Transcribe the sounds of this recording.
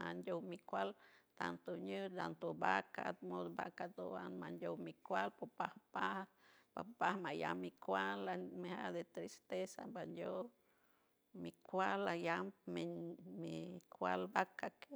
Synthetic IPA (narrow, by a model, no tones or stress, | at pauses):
a̰nd̪ʲjowmikʷalt̪ant̪oɲɨd̪ant̪obakat̪mod̪ba̰kad̪oanmand̪ʲowmikʷalpopahpahba̰pahmaja̰mːikʷalamehad̪et̪ɾist̪esa̰mband̪ʲo | mikʷalajambmemikʰʷa̰lbakake